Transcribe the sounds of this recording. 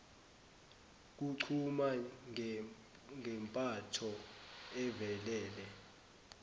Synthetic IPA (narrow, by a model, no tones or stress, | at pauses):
k̬uǀʰuma | ŋʱɛmpʼatʰɔɛvɛlɛːlɛ